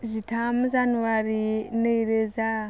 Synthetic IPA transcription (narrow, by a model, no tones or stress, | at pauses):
zʷitʰamuzanuwaɾineiɾeza